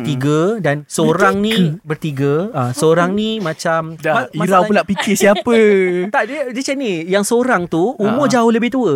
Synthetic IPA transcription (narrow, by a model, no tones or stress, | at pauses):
t̪iɡədansəoɾaŋnĩbərt̪iɡəasəoɾaŋnĩmãt͡ʃamamaiaɾawulaʔpikɪsiapət̪adiədiət͡ʃanijaŋsəoɾaŋt̪uumɔd͡ʒaʊləbɪht̪uə